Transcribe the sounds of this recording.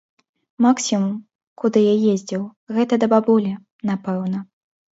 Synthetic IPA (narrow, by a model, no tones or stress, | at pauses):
maksʲimum | kud̪ɨjajezʲd͡zʲiwɣɛt̪ɐd̪ɐbabɔlʲɛ | napɛwnɐ